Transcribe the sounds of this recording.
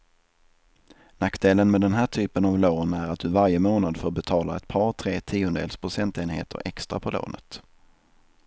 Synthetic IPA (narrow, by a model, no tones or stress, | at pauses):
nakːd̪eːlənmɛd̪ɛnɦæːʈʰyːpənavloːnæɾat̪̚d̪ɵvaɾjəmoːnad̪fœoːbɛt̪ʰɑːlaɛt̪̚pʰɑːɾt̪ʰɾeːt̪ʰiːʊnd̪ɛ̰lspʰɾʊsɛnt̪eːnhḛːt̪ʰə̰ɾʔɛ̰kst̪ɾa̰pʰɔlo̰ːnʔə̰t̪